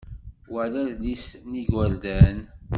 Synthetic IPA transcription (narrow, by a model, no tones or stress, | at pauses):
wəlæðlisniɡwəɾd̪æn